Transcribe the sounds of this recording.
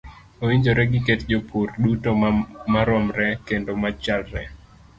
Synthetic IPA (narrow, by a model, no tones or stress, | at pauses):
oiɲd͡ʒoɾɛɡɪketd͡ʒopʰurdutomaɾɔmɾɛkendomat͡ʃalɾɛ